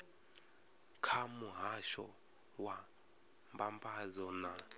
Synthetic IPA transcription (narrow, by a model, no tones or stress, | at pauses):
kʰamuɦaʃɔ̰ | wa | mbampʰʼazɔna